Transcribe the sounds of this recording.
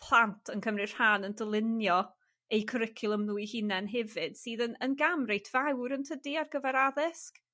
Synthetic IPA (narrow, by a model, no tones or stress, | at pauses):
pʰlˠantʰənkʰəmrɨr̥haːnəndəlˠɪnjɔ | ejkʰəɾɪkʰɨlˠəmnuːɨhɪnɛnɦɛvɨd̥siːðənənɡamrejtʰvawɾəntʰədiarɡəvɛɾaðɪsk